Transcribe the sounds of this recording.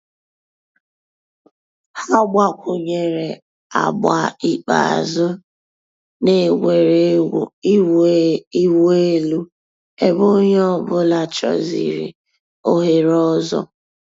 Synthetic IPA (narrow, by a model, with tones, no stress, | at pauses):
ha˦ɡ͡ba˦kʷʊ˨ɲe˨ɾe˨ | a̰˨ɡ͡ba˨i˦k͡pa̰˨a̰˨zʊ˦ | ne˨ɡʷe˨ɾe˦˨˦ | i˦we˦lu˦ | e˨bo˦ɲ˦ɔ˦bʊ˦la˨t͡ʃɔ̰˨zḭ˨ɾḭ˨ | o˦ɦe˨ɾɔ˦zɔ̰˦